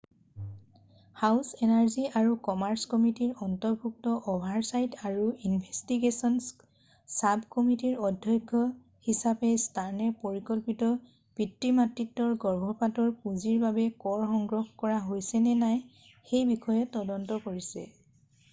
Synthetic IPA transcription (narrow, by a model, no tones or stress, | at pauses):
hawsɛnaɹziaɹukɔmaɹskɔmitiɹɔntɔɹbʱuk̚tɔʔɔbʱaɹsajtaɹuinbʱestiɡesɔns | sabʱkɔmitiɹɔdʱjɔjkʰːɔ | hisapɛstaɹnɛpoɹikɔlpitɔ | pitɹimatɹitːɔɹɡɔɹbʱɔpatɔɹpuziɹbabɛkɔɹxɔŋɡɹɔxkɔɹaɦojsɛnɛnaj | xejbixɔjɛtɔdɔntɔkoɹisɛ̰